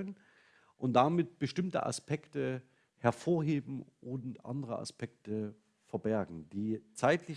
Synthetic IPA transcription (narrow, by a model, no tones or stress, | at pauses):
ən | ʔʊnt̚d̥amɪt̚b̥əʃtɪmtə̰ʔa̰spʰɛktə | hɛɐfoːɐɦeːbm̩ʔʊntʔa̰ndəʁə̰ʔa̰spɛk̚tə | fɛɐbɛɐɡŋ̩d̥iːt͡saɪtʰlɪ